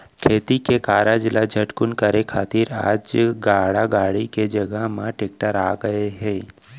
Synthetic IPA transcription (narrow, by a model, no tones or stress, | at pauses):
kʰeːt̪ikekaːɾad͡ʒɪlad͡ʒʱɐʈkʊnkəɾekʰaːt̪iɾa̰ːd͡ʒɡaːɽaɡaːɽiked͡ʒɐɡəɦmãʈeːk̚ʈəɾaːɡəeɦɛ̃ː